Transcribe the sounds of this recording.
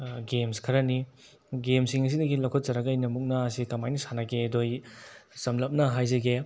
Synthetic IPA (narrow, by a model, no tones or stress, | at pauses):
ɡemskʰɐɾɐni | ɡemsiŋɐs̬idɐɡilɐkʰot̚t͡ʃɐɾɐɡɐjnɐmuk̚nɐːsikɐmajnisanakedojsɐmlɐp̚nɐɦajzɐɡe